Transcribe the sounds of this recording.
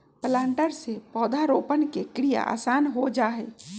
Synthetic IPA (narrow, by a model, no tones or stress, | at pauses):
plãːɳʈəɾsepɔːd̪ʱaɾoːpənkekɾija̰ʔa̰ːsaːnɦod͡ʒaːɦeː